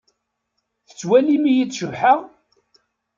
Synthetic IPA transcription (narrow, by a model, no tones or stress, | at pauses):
θə̥t͡sːwælimijit͡sːʃəvħəʁ